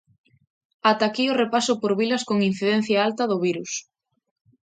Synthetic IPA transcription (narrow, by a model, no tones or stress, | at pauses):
at̪akejorepasʊpoɾβilɐskoŋin̟θiðɛn̟θjaalt̪ɐðʊβ̞iɾus